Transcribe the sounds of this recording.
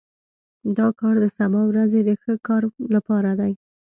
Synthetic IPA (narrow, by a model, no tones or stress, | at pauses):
d̪ɑkɑɾd̪əsabɑwɾazed̪əxəkɑɾlapɑɾad̪aj